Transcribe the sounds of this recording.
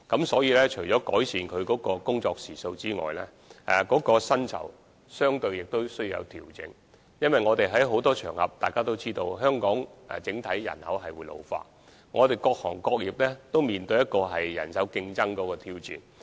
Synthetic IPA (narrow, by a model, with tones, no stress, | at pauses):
kɐ˨˧˥msɔː˨˥jiː˨˧lɛː˥t͡ʃʰɵ˨˩ɥt͡sɔː˨˥kɔ̰ː˨˥jsiː˨nkʰɵ˨˧ɥkɔː˨˥kɔː˧kʊ˥ŋt͡ʃɔː˧k̚siː˨˩so˧wt͡siː˥ŋɔ̰ː˨jlɛ̰ː˥˨ | kɔː˨˥kɔː˧sɐ˥nt͡sʰɐ̰˨˩w | sœː˥ŋt̪ɵ˧ɥjɪ˨k̚t̪o˥wsɵ˥ɥjiː˨˧jɐ̰˨˧wt̪ʰiː˨˩wt͡sɪ̰˨˥ŋ | jɐ˥nwɐ˨jŋɔː˨˧t̪e˨jɦɐ˨˥jɦo˨˥wt̪ɔː˥t͡ʃʰœː˨˩ŋhɐ̰˨p̚t̪aː˨jkaː˥t̪o˥wt͡siː˥t̪o˧wɦœː˥ŋkɔː˨˥ŋɛ̰˨t͡sɪ˨˥ŋt̪ʰɐ˨˥jjɐ̰˨˩nhɐ̰˨˥wɦɐ˨jwuː˨˧jlo̰˨˧wfa̰ː˧˥t̚ | ŋɔː˨˧t̪e˨jkɔː˧k̚hɔ̰ː˨˩ŋkɔː˧k̚jiː˨˩p̚lɛ˥t̪o˥wmiː˨˩nt̪ɵ˧jɐ˥t̚kɔː˧ɦɐ˨jjɐ̰˨˩nsɐ˨˥wkɪ˧ŋt͡sɐ˥ŋkɔː˨˥kɔː˧t̪ʰiː˧wt͡sḭː˨˩n